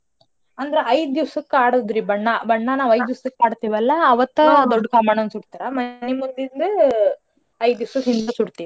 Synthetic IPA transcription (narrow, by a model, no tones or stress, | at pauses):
ɐnd̪ɐɾeɐjd̪d̪iʋsukːaːɽd̪ɾibɐɳːɐbɐɳːanaːʋɐjd̪iʋɐsɐkːaːɖt̪iʋɛlːɐːʋɐt̪ːɐd̪ɔɖːkaːmaːɳɐnsuɽt̪iːɾɐmɐnemund̪ind̪u | ɐjd̪d̪uʋsɐɦind̪ɐsuɽt̪iʋi